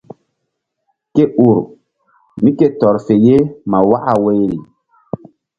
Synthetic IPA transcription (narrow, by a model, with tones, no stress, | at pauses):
ke˦ʔu˨ɾ | mi˦ke˦tɔ˨ɾfe˨je˦ma˨wa˦ʔa˨we˦jɾi˨